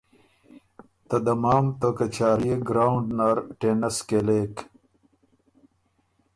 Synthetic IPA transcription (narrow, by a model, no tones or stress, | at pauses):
t̪ɐd̪ɐmaːmt̪okɐt͡ɕaːɾijeɡɾaːwuɳɖnaːɾʈenɐskeleːk